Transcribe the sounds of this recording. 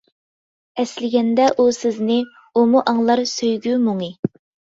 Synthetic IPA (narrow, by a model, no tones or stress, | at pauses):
ɛslɪɡʲɛnd̪ɛʔusɪznɪ | umuʔɑŋlˠɑɾsøjɡʲymoŋɨ